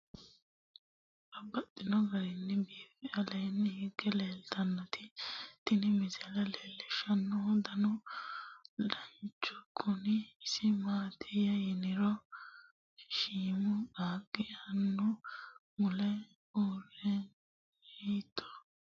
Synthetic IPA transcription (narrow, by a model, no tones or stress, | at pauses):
ʔɐbɐt̪ʼːɪnɔɡɐɾɪnːɪbiːfɪɐlɐjnːhɪɡɛleːlt̪ɐnːɔt̪ɪt̪ɪnɪmɪzɛlɐleːlːɪʃɐnːɔd̪ɐnɔ | ᶑɐnt͡ʃːɔɡʊnɪːsɪmaːt̪ʰɪjɐjɪnɪɾɔ | ʃiːmʊaːɡɪjɐnːʊ | mʊlɛ | uːrːɛ | hiːt̪ʰːɔ̥